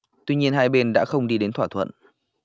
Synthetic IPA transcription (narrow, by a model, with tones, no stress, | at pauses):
t̪wi˧ɲi˧ənɦaː˧jɓe˧nɗa̰ː˧˥xə˧wŋ͡mɗi˧ɗe˨˦nt̪ʰwaː˧˩t̪ʰwə̰˧˨n